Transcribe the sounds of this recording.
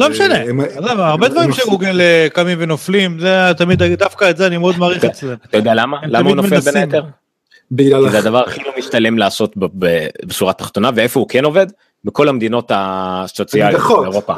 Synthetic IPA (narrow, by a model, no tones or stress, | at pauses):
lomeʃaneamaːʁbed̪vaʁimʃeɡuɡelekamimvenoflimzet̪amid̪adafkaetzeanimeod̪maːʁiχet͡slemat̪ajod̪ɛalamaelammaunoelbenet̪eʁ | bilalzead̪avaʁaχilomiʃt̪ale̞mlaːso̞t̪bbebesuʁat̪ḁχt̪o̞naveefo̞ukeno̞ve̞d̪ | miko̞lamed̪inot̪asot͡sialeʁopa